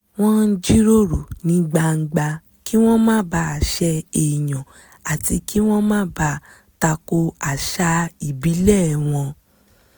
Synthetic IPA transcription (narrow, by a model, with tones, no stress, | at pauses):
w̃ɔ̃˦n̩˦d͡ʒi˦ɾo˦ɾu˨nĩ˧˦ɡ͡ba˧ŋ̩˦ɡ͡ba˧ | ki˦w̃ɔ̃˦mãː˦ba˦˨ʃɛ˧e˨j̃ɔ̃˨ | a˨ti˧ki˦w̃ɔ̃˦mãː˦ba˦ | ta˧ko˧a˨ʃa˧i˨bi˨˦lɛ˦˨w̃ɔ̃˧